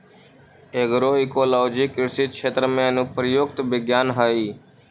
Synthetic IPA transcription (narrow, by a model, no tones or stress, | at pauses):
eːɡɾoːɪkoːlɔːd͡ʒiːkɪɾsiːt͡ʃʰeːt̪ɾəmẽːnũːpɾəjoːɡt̪ʋɪɡjaːnɦaːiː